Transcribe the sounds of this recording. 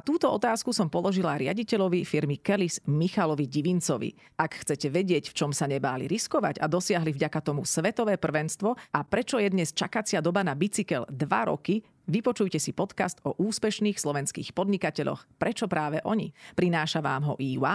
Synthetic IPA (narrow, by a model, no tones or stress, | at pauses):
t̪uːt̪ɔɔt̪aːskusɔmpɔlˠɔʒilaɾɪa̰ɟicɛʎɔʋifiɾmikɛlismixalɔʋiɟiʋint͡sɔʋḭ | akxt͡sɛcɛʋɛɟɪɛcft͡ʃɔmsaɲɛbaːlḭɾiskɔʋaɟa̰d̪ɔsɪaɦlivɟakat̪ɔmusʋɛt̪ɔʋɛːpr̩ʋɛnst̪ʋɔapɾɛt͡ʃɔjɛd̪ɲɛst͡ʃakat͡sɪad̪ɔbanabit͡sikɛld̪ʋa̰ɾɔ̰ki | ʋipɔt͡ʃujcɛsipɔt̪kast̪ɔʔuːspɛʃniːxslɔʋɛnskḭːxpɔd̪ɲikacɛʎɔ̰xpɾɛt͡ʃɔpɾaːʋɛʔɔɲḭpɾinaːʃaʋaːmɦɔ̰ʔiːwa